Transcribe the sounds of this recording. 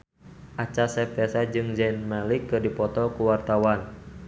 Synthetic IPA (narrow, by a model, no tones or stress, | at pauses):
ʔat͡ʃasɛpɛsad͡ʒɨŋd͡ʒɛnmalikːɨrdipɔt̪ɔkuwart̪awan